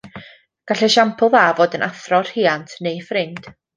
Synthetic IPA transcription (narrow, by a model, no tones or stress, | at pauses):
ɡ̥aɬɛʃampʰʊlˠvaːvoːdənʔaθrɔr̥hiːantʰnejfrɪnd̥